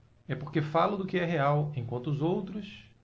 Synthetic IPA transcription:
ɛpoɾkefalɐd̪ʊkɪɛɦeawẽj̃kwɐ̃nt̪ʊʊzowt̪ɾʊs

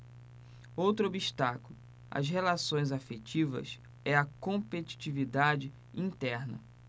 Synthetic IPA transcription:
owt̪ɾʊobiʃt̪akulʊ | ɐ̰sɦelasõj̃zafet͡ʃivɐ̰s | ɛɐkõpet͡ʃi̥t͡ʃivid̪ad͡ʒɪ | ĩnt̪ɛɾnɐ̰

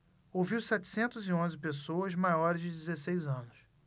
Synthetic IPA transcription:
owviwsɛt͡ʃɪ̥sẽnt̪ʊzɪõzɪpesoɐzmajɔɾɪzd͡ʒɪd͡ʒɪzesejzɐ̃nʊs

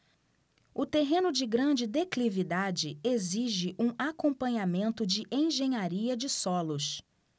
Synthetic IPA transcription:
ʊt̪eɦẽnʊd͡ʒɪɡɾɐ̃d͡ʒɪd̪eklivid̪ad͡ʒɪeziʒɪʔũakõpɐ̃ɲamẽnt̪ʊd͡ʒɪʔẽj̃ʒẽɲaɾiɐd͡ʒɪsɔlʊs

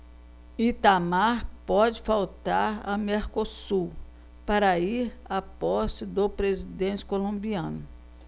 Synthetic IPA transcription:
it̪amaɾpɔd͡ʒɪfawt̪aɾɐmeɾkosu | paɾɐiɾapɔst͡ʃɪd̪opɾezid̪ẽnt͡ʃɪ̥kolõmbiɐ̃nʊ

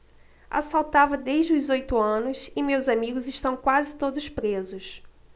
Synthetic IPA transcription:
a̰sawt̪avɐd̪eʒd͡ʒɪʊzojt̪ʊɐ̃nʊsɪmewzamiɡʊzɪʃt̪ɐ̃w̃kwazɪt̪od̪ʊspɾezʊs

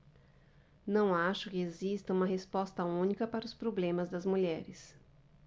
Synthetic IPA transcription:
nɐ̃w̃aʃʊkɪezist̪ɐũmɐɦespɔst̪ɐũnikɐpaɾɐʊspɾoblẽmɐzd̪ɐzmuʎɛɾɪs

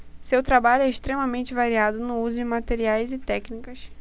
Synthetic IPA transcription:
sewt̪ɾabaʎʊɛɪʃt̪ɾemɐmẽnt͡ʃɪvaɾiad̪ʊnʊuzʊd͡ʒɪmat̪eɾiajzɪt̪ɛknikɐs

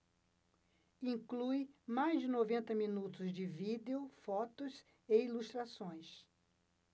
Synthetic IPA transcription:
ĩŋklujmajzd͡ʒɪnovẽnt̪ɐmĩnut̪ʊzd͡ʒɪvid̪eʊfɔt̪ʊs | eiluʃt̪ɾasõj̃s

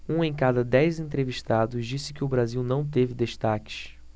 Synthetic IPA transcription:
ũẽj̃kad̪ɐd̪ɛjzẽnt̪ɾeviʃt̪ad̪ʊʃd͡ʒisɪ̥kɪʊbɾaziwnɐ̃w̃t̪evɪd̪eʃt̪akɪ̥ʃ

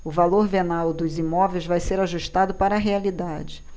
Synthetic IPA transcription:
ʊvaloɾvenawd̪ʊzimɔvejzvajseɾaʒuʃt̪ad̪ʊpaɾɐːɦealid̪ad͡ʒɪ

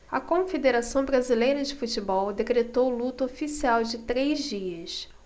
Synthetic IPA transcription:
ɐkõfed̪eɾasɐ̃w̃bɾazilejɾɐd͡ʒɪfut͡ʃɪbɔwd̪ekɾet̪owlut̪ɐofisiawd͡ʒɪt̪ɾejzd͡ʒiɐs

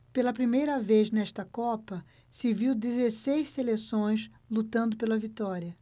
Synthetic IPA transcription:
pelɐpɾimejɾɐveznɛʃt̪ɐkɔpɐ | sɪviwd̪ezesejsselesõj̃s | lut̪ɐ̃nd̪ʊpelɐvit̪ɔɾiɐ

